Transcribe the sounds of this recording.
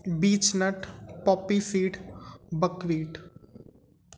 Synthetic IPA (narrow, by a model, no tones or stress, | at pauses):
biːt͡ʃnəʈpɔːpisiːʈbəkʋiːʈ